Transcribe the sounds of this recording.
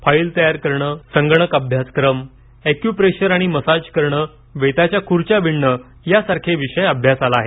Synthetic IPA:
failt̪əjaɾkəɾɳəsəŋɡɳ̃əkəbʱjaskɾəm | ekjupɾeɕəɾaɽ̃iməsad͡ʑkəɾɳəː | ʋet̪at͡ɕjakʰuɾt͡ɕaʋiɳːə | jasaɾkʰeʋiɕəjəbʱjasalaːɦe

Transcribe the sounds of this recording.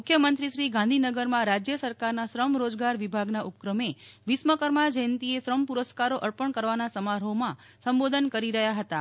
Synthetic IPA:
mukʰjəmənt̪ɾiʃɾiɡãnd̪ʱinəɡəɾmãɾad͡ʒjəsəɾkaɾnaʃɾəmɾod͡ʒɡaɾʋibʱaɡnaʔupkɾəme | ʋisməkəɾmad͡ʒəjənt̪ieʃɾəmpuɾəskaɾoʔəɾpəɳkəɾʋanasəmaɾɦomã | səmbod̪ʱənkəɾiɾəɦjaɦət̪a

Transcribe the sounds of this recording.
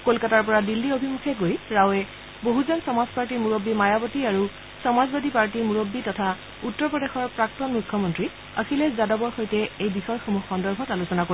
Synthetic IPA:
kolkataɹpɔɹadilːiobʱimukʰɛɡojɹawɛ | boɦuzɔnsɔmazpaɹtiɹmuɹobːimajabɔtiaɹu | sɔmazbadipaɹtiɹmuɹobːitɔtʰa | utːɔɹpɹɔdexɔɹpɹak̚tɔnmukʰjɔmɔntɹi | axʰilɛzadɔbɔɹxojtɛejbixɔjxomuxɔndɔɹbʱɔtalusɔnakoi

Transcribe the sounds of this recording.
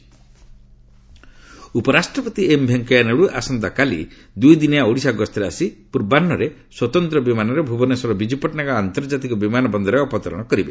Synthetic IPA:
upɔɾasʈɾɔpɔt̪iembʱeŋkɔjaneɽuʔasɔnd̪akalḭ | d̪ujd̪injaoɽisaɡɔst̪ʰɔɾeasipuɾbanːɔɾeswɔt̪ɔnt̪ɾɔbimanɔɾebʱubɔnesɔɾɔbid͡ʒupɔʈnaɡɔant̪ɔɾd͡ʒat̪ikɔbimanɔbɔnd̪ʱɔɾeɔpɔt̪ɔɾɔ̰ɽ̃ɔkɔɾibe

